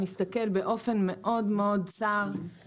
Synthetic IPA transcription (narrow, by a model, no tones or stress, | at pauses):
mist̪ake̞lbeʔo̞fe̞nme̞ʔo̞d̪meo̞d̪t͡saʁ